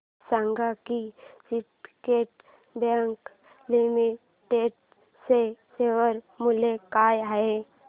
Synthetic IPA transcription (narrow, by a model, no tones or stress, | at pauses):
sãŋɡʱakisiʈkeːʈ | bãŋk | limi | ʈeɖ | seseːʋəɾ | mʊlekaːjae